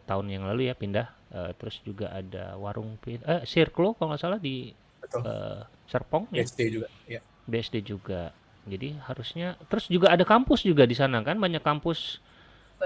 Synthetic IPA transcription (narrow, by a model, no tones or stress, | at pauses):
t̪aʊnjaŋlalujapindah | ə̰t̪əɾʊsd͡ʒuɡa̰ʔa̰da̰waɾʊŋpiəsirklokaŋlasaladi | bət̪ə̰ | sərpɔŋsdeuɡa | ja | beɛsded͡ʒuɡa | d͡ʒadihaɾusɲat̪əɾʊsd͡ʒuɡaːdakampʊsd͡ʒuɡadisanakanbaɲakːampʊs